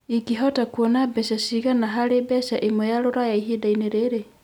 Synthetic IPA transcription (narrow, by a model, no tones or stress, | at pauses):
ikiɦɔtakwɔnabɛʃasiɣanaɦaɾebɛsaʔemojaɾoɾajaiɦedaineɾeɾe